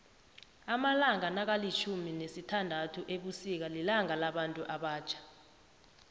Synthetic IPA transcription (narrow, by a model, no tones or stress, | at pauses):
amalaŋanak̬alit͡ʃʰuminesitʰandʱatʰuʔeɓusik̬alilaŋalaɓantʼuʔaɓaːt͡ʃʰḁ